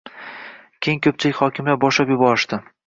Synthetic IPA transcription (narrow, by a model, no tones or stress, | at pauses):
kʲʰejŋkʲʰɵp̚t͡ʃʰɪlɪkʲhɒkʲʰɪmlaɾbɒʃlapjʊbɒɾɪʃd̪ɪ